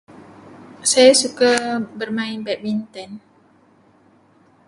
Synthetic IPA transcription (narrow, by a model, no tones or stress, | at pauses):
sajasukabərmãɪnbɛt̪̚mint̪ɛn